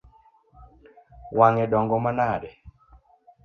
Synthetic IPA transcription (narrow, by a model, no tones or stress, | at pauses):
waŋɛɗɔŋɡɔmanaɾɛ